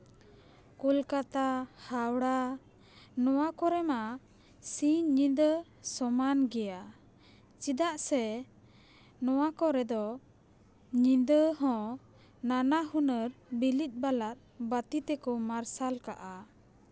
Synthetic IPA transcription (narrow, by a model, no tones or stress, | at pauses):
kulkat̪ahawɽa | nɔwakɔɾɛma | siɲɲĩnd̪ə | sɔmanɡɛja | t͡ʃid̪aʔsɛ | nɔwakɔɾɛd̪ɔ | ɲĩd̪əɦɔ̃ | nanaɦunəɾbilit̪̚ˀbalat̪̚bat̪it̪ɛkɔmaɾsalka̰ʔa